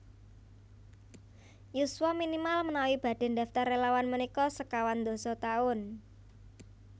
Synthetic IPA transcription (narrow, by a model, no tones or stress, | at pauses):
jusuwaminimalmənawib̥a̤ɖ̪̥e̤nd̪a̤ft̪arelawanmənikɔsəkawand̪o̤sɔt̪aʊn